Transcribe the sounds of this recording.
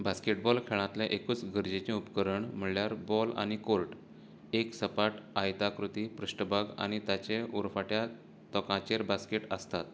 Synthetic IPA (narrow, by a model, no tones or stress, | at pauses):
baskeʈbɔlkʰeɭãt̪leʔekuːt͡sɡəɾd͡ʑet͡ɕẽupkəɾəɳm̤əɭljaɾbɔla̰ñikolʈ | eksəpaʈajt̪akɾut̪ipɾəɕʈəbaɡa̰ɽ̃it̪jat͡ɕeuɾfaʈja | t̪ɔkãt͡ɕeɾbaskeʈəst̪at̪